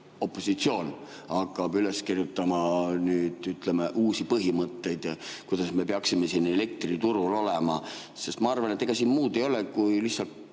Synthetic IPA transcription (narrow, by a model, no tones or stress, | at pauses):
o̞pːˑo̞sit̪sio̞ːn | ɑkːˑɑbyle̞skirjut̪ːˑɑmɑnyːd̪̥yt̪lemeʔuːsipɤɦimɤt̪ːe̞jd̪̥kujd̪̥ɑsme̞pe̞ɑksimesiːne̞le̞k̚t̪rit̪uɾulo̞lemɑ | se̞st̪mɑɑrvɑnet̪ːˑeɡ̥ɑsiːnmuːd̪̥e̞jo̞lekujlihsɑlt̪